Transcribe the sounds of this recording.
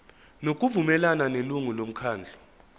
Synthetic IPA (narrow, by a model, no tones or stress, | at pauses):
nok̬ʼuvumɛlananeluŋulom̩kʰaːnd͡ɮʱɔ̥